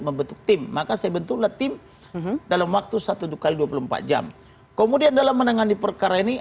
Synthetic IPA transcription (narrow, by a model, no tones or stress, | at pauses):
məmbənt̪ʊk̚t̪ɪmːakasajabənt̪uklaht̪ɪm | dalamwak̚t̪usat̪udukaliduapuluəmpa̰t̪̚d͡ʒa̰m | kəmudiandalamːənaŋanipərkaɾaini